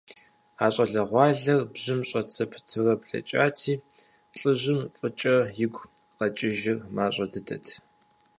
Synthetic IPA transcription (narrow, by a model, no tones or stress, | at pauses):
aːɕʼɐɮɐʁʷɑːɮɐrbʑɪmɕʼɐt͡sʰɐpʰtʰɨrɐpɬɐ̰t͡ʃʼa̰ːtʰiː | ɬʼɨʑɪmfʼɨt͡ʃʼɐjɪɡʷqɐt͡ʃʼɪʒɪrmaːɕʷʼɐdɨdʰɐ̰tʰ